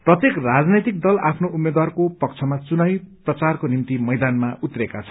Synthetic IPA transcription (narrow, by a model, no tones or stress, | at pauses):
prʌt̪jekrad͡znʌjt̪ik̚d̪ʌlapʰnoumːed̪warkopʌk̚t͡sʰʌmat͡sunajprʌt͡sarkonimt̪imʌjd̪anmaut̪rekat͡sʰʌ̥